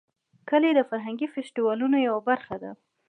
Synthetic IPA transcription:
kəled̪əfaɾɦaŋɡifesʈiwɑlunojawabaɾxad̪a̰

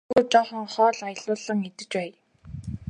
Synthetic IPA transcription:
ɣut͡ɕɔχɞ̆ŋχɔːɮajə̆ɮʊːɮə̆ŋet̪ɘ̆t͡ɕpæːj

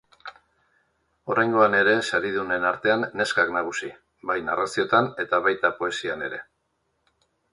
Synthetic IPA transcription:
o̞ɾajŋɡo̞ane̞ɾe̞saɾiðune̞naɾt̪e̞anːe̞skaknaɣ̞usi | bajnarasio̞t̪ane̞t̪aβajt̪apo̞e̞siane̞ɾe̞

